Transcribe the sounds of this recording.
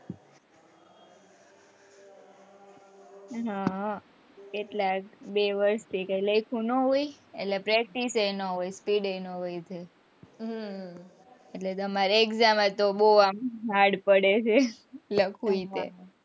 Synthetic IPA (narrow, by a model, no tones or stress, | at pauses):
ɦa | keʈlakbeʋəɾst̪ʰikajləjkʰũnoɦojeʈlepɾɛk̚ʈisəjnɔɦojspiɖəjnoɦojt̪ʰe | eʈlet̪əmaɾeekzamet̪oboamɦaɽpəɽet͡ʃʰe | ləkʰuit̪ḛ